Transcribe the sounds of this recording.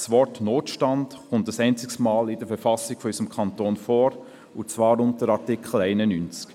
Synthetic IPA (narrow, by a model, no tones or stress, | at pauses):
svɔrtnoːtʃtɑndχʊntəsɛɪnt͡sɪksmaːlɪdəfɛɾfɑsɪɡ̥fɔysəmkʰɑntoːnfɔːɾ | ʊt͡svɑːɾʊntəɾɑɾtɪkʰl̩ɛɪnənynt͡sk